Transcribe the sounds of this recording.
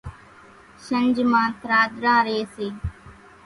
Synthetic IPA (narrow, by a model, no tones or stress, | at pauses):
ʃənd͡ʒmãːt̪ɾaːd̪ɾãːɾeːseː